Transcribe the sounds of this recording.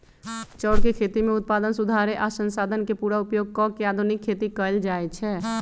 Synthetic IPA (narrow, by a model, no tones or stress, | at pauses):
t͡ʃɔːɽkekʰet̪imẽʊt̪̚pad̪ənsud̪ʱaɾeʔasə̃nsaːd̪ʱənkepuɾaupjoɡ̚kɔkead̪ʱunikʰːet̪ikəld͡ʒaɛt͡ʃʰɛ